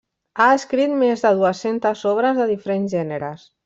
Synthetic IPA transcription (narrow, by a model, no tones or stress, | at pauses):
aəskɾit̪mezðəð̞uəsent̪əzɔβɾəzðəðifəɾenzʒɛnəɾəs